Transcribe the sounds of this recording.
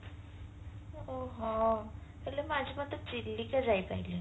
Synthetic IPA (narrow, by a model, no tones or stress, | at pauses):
oɦɔ̃ | əlemad͡ʑʱimət̪ət͡ɕilːikad͡zajpaɦili